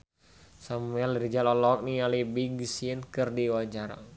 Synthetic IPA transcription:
samuɛlɾid͡ʒalɔlɔk̚nialibiɡsiənkɨrdiwad͡ʒaɾa̰

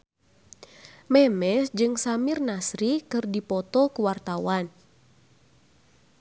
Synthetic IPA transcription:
mɛmɛsd͡ʒɨŋsamɪrnasɾikɨrdipɔt̪ɔkuwart̪awan

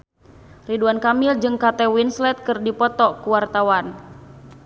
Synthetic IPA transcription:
riduankamɪld͡ʒɨŋkat̪ɛwinslɛt̪̚kɨrdipɔt̪ɔkuwart̪awan

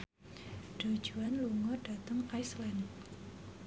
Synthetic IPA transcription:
ɖ̥o̤̥d͡ʒ̥ṳanluŋɔɖ̥at̪əŋkajslan

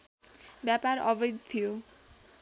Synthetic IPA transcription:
bjapaɾʌ̰bʌjd̪t̪ʰijo

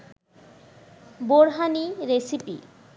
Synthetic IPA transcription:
boɽɦaniɾesipḭ

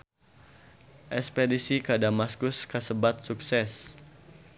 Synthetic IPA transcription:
ʔɛspedisikədamaskʊskəsəbat̪̚suksɛs

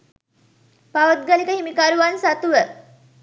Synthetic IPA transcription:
paʋət̪̚ɡalikəɦimikaɾuʋansat̪uʋə

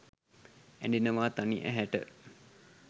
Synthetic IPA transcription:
æɳɖinəʋaːt̪aniʔæ̰ɦæʈə̰

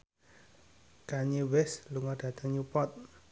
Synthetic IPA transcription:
kaɲiwɛsluŋɔɖ̥ä̤t̪əŋɲupɔt̪̚

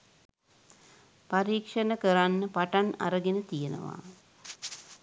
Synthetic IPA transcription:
paɾiːkʂənəkəɾanːəpaʈana̰ɾəɡenət̪ijenə̰ʋa̰

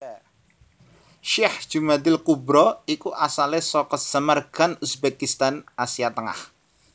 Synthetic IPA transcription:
ʃihd̥ʒ̥umad̪ɪlkubɾɔikuʔasalesɔkəz̥əmərɡ̥anusbɛkist̪anʔasiat̪əŋa̰h

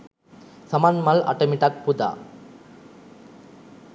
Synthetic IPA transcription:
sɐmanmɐlɐ̰ʈːɐmiʈak̚pud̪a̰

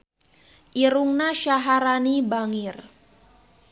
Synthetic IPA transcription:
ʔiɾuŋnaʃaɦaɾanibaŋir

